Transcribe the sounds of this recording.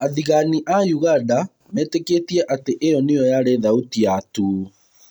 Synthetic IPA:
aðiɣaniʔajuɣanda | mɛːteketiɛʔateʔejɔneɔjaɾeðautiatu

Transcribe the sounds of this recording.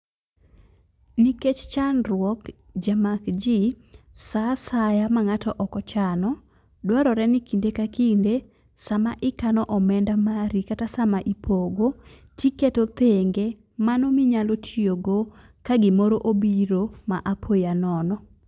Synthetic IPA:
niket͡ʃt͡ʃanɾwɔk | d͡ʒamakd͡ʒisasajamaŋatɔʔɔkɔt͡ʃanɔ | dwaɾɔɾɛnɪkindekakinde | samaʔɪkanɔʔɔmɛndamaɾikatasamaʔipʰoɡo | tiketot̪eŋɡe | manomɪɲalotʰioɡo | kaɡɪmoɾoʔobiɾomaʔapʰojanɔnɔ

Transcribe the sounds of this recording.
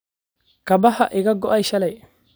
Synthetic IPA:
kɐbɐhɐʔɪɡɐɡɔʔɐjʃɐlɐj

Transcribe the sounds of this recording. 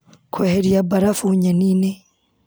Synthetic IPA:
kʰoheɾjabaɾafuɲaniːne

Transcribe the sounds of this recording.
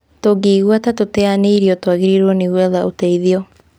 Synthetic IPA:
toɡeːɣwatatotɛaneiɾiɔtowaɣeɾiɾwɔneɣwɛðaʔoteiðiɔ

